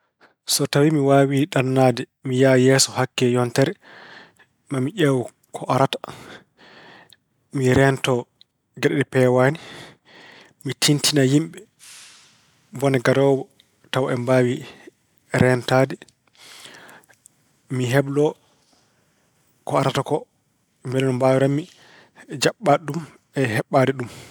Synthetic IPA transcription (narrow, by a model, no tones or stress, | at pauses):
sɔtawimiwaːwiɗanːaːdɛ | mijajɛːsɔhakːɛjɔntɛɾɛ | mamiʔɛw | kʰɔʔaɾatḁ | miɾɛntɔ | ɡɛɗɛɗɛpɛwaːni | mitʰintʰinajimɓɛ | bɔnɛɡaɾɔːbɔ | tawaʔɛmbawi | ɾɛntaːdɛ | miɦɛblɔ | kɔaɾatakɔ | mbɛlɛnɔmbawiɾamːi | d͡ʒaɓːaɗum | ɛɦɛɓːadɛɗum